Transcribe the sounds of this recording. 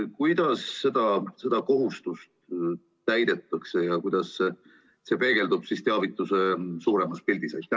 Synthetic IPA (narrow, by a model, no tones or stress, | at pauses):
kujd̪̥ɑsːe̞d̪̥ɑse̞d̪̥ɑko̞ɦust̪ust̪ | t̪æjd̪̥e̞t̪ːˑɑkse̞jɑkujd̪̥ɑsːe | se̞pe̞ːɡ̥e̞ld̪ub̥sist̪e̞ɑvit̪ːˑuse̞suːɾemɑspilʲd̪̥isɑ̰